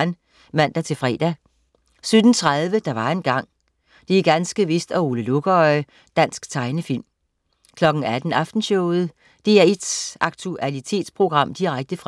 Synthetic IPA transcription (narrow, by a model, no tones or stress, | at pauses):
n | mæn̰d̥ɑt͡sʰe̝lfʁɛ̰ːd̥æ | sød̥n̩t͡sʰʁaðˠʋəd̥ɑ̈ʋɑ̈e̝nɡ̥ɑ̈ŋ̰ | d̥e̝ɡ̥ænsɡ̥əʋesd̥æo̝ːləloɡ̥ɒɪ | d̥æn̰sɡ̥t͡sʰɑ̈ɪnəfil̰m | kʰlɒ̽ɡ̥n̩æd̥n̩ɑfd̥n̩ɕɔʊð̩ˠ | d̥e̝æɐe̝d̥sɑ̈ɡ̥̚t͡sʰuʔælit͡sʰe̝̰ːd̥spʰʁo̝ɡ̥ʁɑ̈m̰d̥iʁaɡ̥̚d̥əfʁ